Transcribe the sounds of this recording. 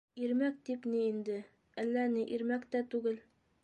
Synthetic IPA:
iɾmæk̚t̪ipniind̪ɘ | ælːænɘʔiɾmækt̪æt̪ʉɡɘl

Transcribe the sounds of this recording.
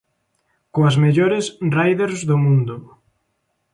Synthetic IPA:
koɐsmeʎoɾɪsrajðeɾzðʊmũnd̪ʊ

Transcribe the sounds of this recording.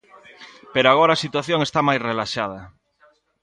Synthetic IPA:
peɾoaɣ̞oɾaːsit̪waθjoŋest̪amajsrelaʃað̞a

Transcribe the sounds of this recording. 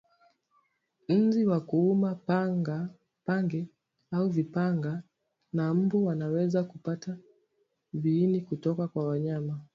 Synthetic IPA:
n̩ziwakuumaa | paŋɡɛ | auvipaŋɡa | nam̩buwanawɛzakupata | viːnikutɔkakwawaɲama

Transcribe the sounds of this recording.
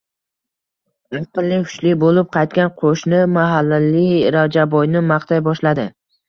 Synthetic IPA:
oqɨlːɪhʊ̥t͡ʃlɪbolɪp̚qʰɑjt̪̚kʲanqʰoʃnɪmaɦalːalɪɾavd͡ʒabɒjnɪmaχt̪ʰajbɒʃlad̪ɪ

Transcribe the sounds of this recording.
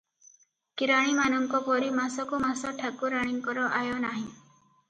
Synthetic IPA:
kiɾaɽ̃imanɔmkɔpɔɾimasɔkumasɔʈʰakuɾãiŋkɔɾɔʔajɔnaɦĩ

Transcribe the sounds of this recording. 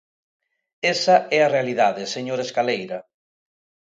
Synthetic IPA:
esɐɛarealiðaðeseɲoɾeskalejɾɐ

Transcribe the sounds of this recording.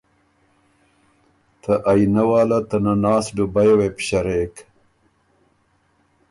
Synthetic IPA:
t̪ʰɐʔajnɐwaːlɐt̪ɐnanaːsɖubajwepɕɐɾeːk

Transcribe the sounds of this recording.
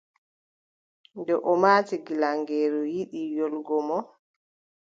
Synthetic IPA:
ndɛʔɔmaːtiɡilaŋɡɛːɾujiɗijɔlɡɔmɔ

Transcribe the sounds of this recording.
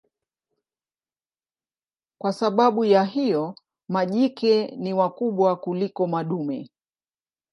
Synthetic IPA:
kwasaɓaɓujaɦijɔ | maʄikɛniwakuɓwakulikɔmaɗumɛ

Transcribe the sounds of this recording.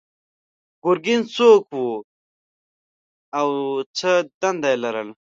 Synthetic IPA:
ɡ̥ʊɾɡɪnsoːkwu | awt͡sʰəd̪and̪ajlɐɾəl

